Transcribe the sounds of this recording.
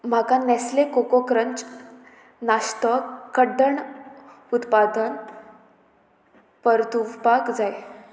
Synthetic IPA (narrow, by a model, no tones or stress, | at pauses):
m̤akãnɛslekokokɾəɲt͡s | nast̪əkːəɖəɳ | ut̪pad̪ən | pəɾt̪uʋpakd͡zaj